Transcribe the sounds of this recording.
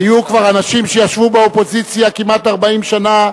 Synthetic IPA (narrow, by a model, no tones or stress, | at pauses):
ijukvaʁanaʃimʃejaʃvubeopo̞zit͡sjakimat̪aʁbaimʃana